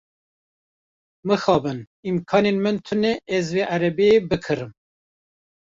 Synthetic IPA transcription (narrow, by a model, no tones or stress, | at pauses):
mɨxɑːbɨn | imkʰɑːneːnmɨnt̪ʰɨneʔɛzveːʔæɾɛbeebɨkʰɨɾɨm